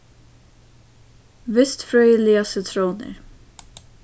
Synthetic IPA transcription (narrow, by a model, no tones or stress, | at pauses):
vɪst̪fɾœːjəlɪasət̪ʰɾoːwnɪ̰ɹ